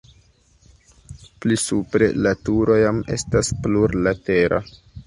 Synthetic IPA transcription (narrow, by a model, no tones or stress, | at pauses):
plisupɾe̞̰latuɾo̞jame̞̰staspluɾlate̞ɾʔa̰